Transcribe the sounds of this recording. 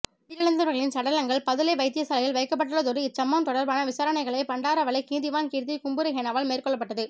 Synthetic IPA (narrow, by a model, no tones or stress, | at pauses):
t̪ːɪjɐɭɐnd̪ɯɾɐɣɐɭɪnsɐɽɐlɐŋɡɐɭpɐðɪlɐɪʋɐɪt̪ːɪjɐsɐlɐjɪlʋɐɪkːɐp̬ːɐʈːɯɭɐðɔɾɯɪt͡ʃːɐmːaːnt̪ɔɽɐɾbaːnɐʋɪsaːɾɐnɐɪɣɐɭɐɪpɐɳɖaːɾɐʋɐɭɐɪkiːnðɪʋaːnkiːɾt̪ikʊmbɯɾɐɦenaʋaːlmeːrkɔɭːɐpːɐʈːɐðɯ